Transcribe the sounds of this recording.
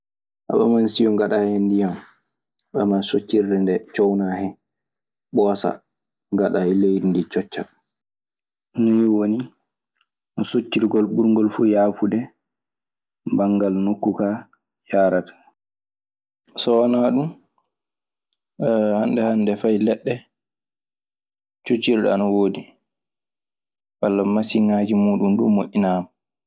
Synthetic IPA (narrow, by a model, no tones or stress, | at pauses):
ʔa̰ɓɛmansijɔɡaɗahɛndijam | ɓɛmansot͡ʃːiɾdɛndɛt͡ʃɔwnahɛ | ɓɔːsa̰ | ŋɡaɗaɛlejdindit͡ʃɔt͡ʃːa | nɔjiwoni | nɔsot͡ʃːiɾɡɔlɓuɾŋɡɔlfujaːfudɛ | baŋɡalnokːuka | jaːɾatʰḁ | sɔanaɗum | handɛhandɛfajlɛɗːɛ | t͡ʃot͡ʃːiɾɗɔanawoːdi | walːamasiŋaːd͡ʒimuːɗumɗumːoʔːinaːma